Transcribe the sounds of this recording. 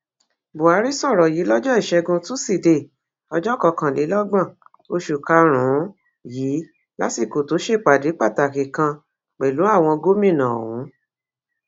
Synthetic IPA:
bo˨a˨˧˦ɾi˦sɔ˦˨ɾɔ˨jiː˨˦lɔ˦d͡ʒɔ˦i˦˨ʃɛ˧ɡũ˧tũ˦si˦˨de˧˨ | ɔ˧d͡ʒɔ˦kɔ˧kã˧˨li˨˦lɔ˦ɡ͡bã˦˨ | o˧ʃu˨ka˧ɾ̃ũ˨˦ | jiː˨˦ | la˦ti˦˨ko˨to˨˦ʃe˦˨k͡pa˨de˨˦k͡pa˦˨ta˨ki˨kã˧ | k͡pɛ˨lu˨˦a˦˨w̃ɔ̃˧ɡo˦mĩ˦˨nã˨o˨wũ˨˦

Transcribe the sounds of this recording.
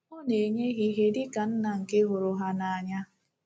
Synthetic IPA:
ʊ˦ne˨ɲe˦ɦi˦ɦe˦dɪ˦ka˨n̩˦na˨ŋ̩˨kɪ˦ɦʊ˨ɾʊ˨ɦa˦na˨a˨ɲa˦

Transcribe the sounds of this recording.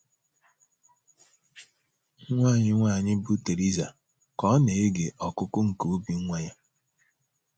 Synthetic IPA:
ŋʷaː˦˨ɲɪ˦ŋʷa˦˨ɲɪ˦bu˦te˨ɾi˦za˨ | kɔ˦ne˨e˦ɡe˨ʔɔ˨kʊ˦kʊ˦ŋ̩˨ko˨o˦bi˦ŋʷa˦ɲa˦

